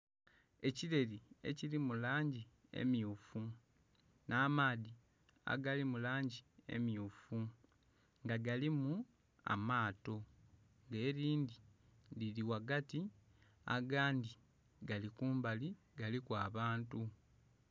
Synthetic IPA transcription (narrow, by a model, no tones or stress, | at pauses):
e̞ciɾe̞lie̞̰cilimulaːɲɟi | e̞̰mjuːfu | nʔaːmaːði | a̰ɡalimulaːɲɟie̞̰mjuːfu | ŋɡaɡalimu | a̰maːto̞ | ŋɡeːɾiːndililiwaɡati | a̰ɡaːndi | ɡalikuːmbali | ɡalikwaːβaːntu